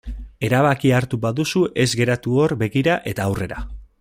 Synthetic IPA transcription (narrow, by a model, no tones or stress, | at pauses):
e̞ɾaβ̞akiaɾt̪ubaðusuʔe̞zɡe̞ɾat̪uo̞rbe̞ɣiɾaʔe̞t̪aːwre̞ɾa̰